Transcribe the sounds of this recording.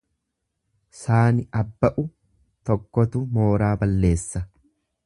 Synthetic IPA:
saːnɪʔɐbːɐʔʊ | t̪ɔkːɔt̪ʊmo̞ːɾaːbɐlːe̞ːsːɐ

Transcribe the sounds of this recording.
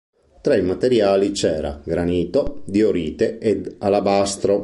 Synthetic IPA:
t̪ɾɛmat̪eɾjaːlit͡ʃɛːɾa̰ɡɾaniːt̪od̪ioɾiːt̪eed̪alabast̪ɾo

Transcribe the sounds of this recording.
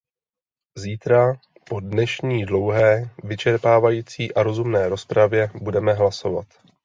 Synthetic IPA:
ziːt̪ɾa | po̞dnɛʃɲiːdlo̞wɦɛːvɪt͡ʃɛɾpaːvajiːt͡siːʔaɾo̞zumnɛːɾo̞spɾavjɛbudɛmɛɦlaso̞va̰t̪

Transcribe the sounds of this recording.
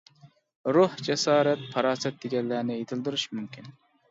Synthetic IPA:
ɾuhd͡ʒɛsɑːɾɛt̪̚pʰɑɾɑːsɛt̪̚d̪eɡʲɛllæːnɪet̪ʰɪld̪ɪɾyʃmymkʲʰin

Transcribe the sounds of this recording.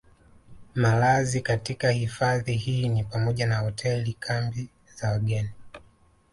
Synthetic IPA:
malazikatikahifaðihiːnipamɔʄanahɔtʰɛlikʰambi | zawaɠɛni

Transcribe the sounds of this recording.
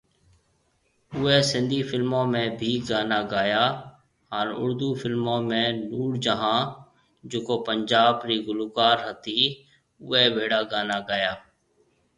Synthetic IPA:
ʊɛːsɪ̃nd̪ʱiːfɪlmõːmẽːbʱiːɡaːnaːɡaːjaː | ɦaːnʊ̰ɾd̪uːfʰɪlmõːmẽːnuːɽd͡ʒəɦãː | d͡ʒoːkoːpəɲd͡ʒaːbɾiːɡʊluːkaːɾɦət̪iː | ʊːɛːʋeːɽaːɡaːnaːɡaːjaː

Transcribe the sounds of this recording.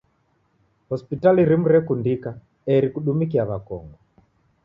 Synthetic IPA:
hɔspitaliɾimuɾɛkundika | ɛɾikuɗumikiaβakɔ̰ŋɡɔ

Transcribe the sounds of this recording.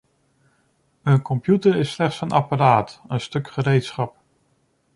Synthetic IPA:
ənkɔmpjutəɹɪslɛχtsənʔɑpaɾaːtənstɵkχəɾejtsχɑp̚

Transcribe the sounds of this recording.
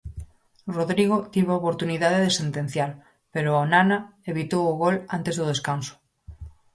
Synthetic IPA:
roðɾiɣ̞ot̪iβoopoɾt̪uniðaðeðesent̪en̟θjaɾ | peɾoonanaeβit̪owuɣolant̪e̞zðoð̞e̞skanso̥

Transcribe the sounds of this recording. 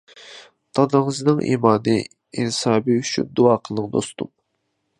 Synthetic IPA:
t̪ʰɑd̪ɨŋɨznɨŋʔḭmɑːnɨ | insɑːbiyt͡ʃʰy̰nd̪uɑːqʰəlˠːɨqd̪o̰st̪um

